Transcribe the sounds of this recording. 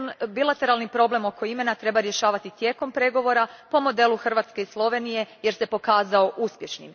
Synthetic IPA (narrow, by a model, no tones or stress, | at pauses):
nbilˠat̪e̞ɾalˠnipɾo̞ble̞mo̞ko̞ime̞nat̪ɾe̞baɾje̞ʃaːʋat̪it̪je̞ːko̞mpɾe̞ɡo̞ʋo̞ɾapo̞mo̞d̪e̞lˠuxr̩ʋaːt̪ske̞islˠo̞ʋe̞nije̞jeɾse̞po̞kaːzao̞ʔuspje̞ʃnḭm